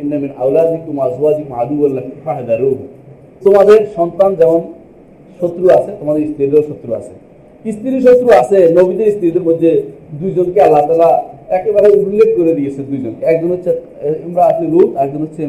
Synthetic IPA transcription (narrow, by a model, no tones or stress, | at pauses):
inːamina̰wlad̪ik̚t̪umazuad̪ikma̰d̪ubollakiʃaɦed̪aɾuɾ | t̪omad̪eɾʃɔnt̪and͡ʑɛmon | ʃot̪ːɾuat͡ɕʰet̪omad̪eɾist̪iɾeʃot̪ːɾua̰t͡ɕʰe̥ | ist̪iɾiʃ̬ot̪ːɾuat͡ɕʰenobit̪eɾist̪iɾid̪eɾmod̪ʱːed̪ujd͡ʑonkealːat̪alaɛkebaɾeud̪lːeɡ̚ʱkoɾed̪iet͡ɕʰed̪ujd͡ʑonkeɛk̚d͡ʑonɦotːɕʰe | emɾaasniɾutɛkd͡ʑonɦotːɕʰe